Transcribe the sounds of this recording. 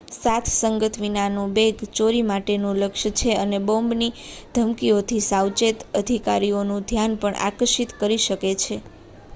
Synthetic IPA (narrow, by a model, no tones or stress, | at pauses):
sat̪ʰsəŋɡət̪ʰʋinanũbeɡt͡ʃoɾimaʈenũləkʃt͡ʃʰeənebõmbnid̪ʱəmkiot̪ʰisawt͡ʃet̪əd̪ʱikaɾionũd̪ʱjanpəɳʔa̰kəɾʃit̪kəɾiʃəket͡ʃʰe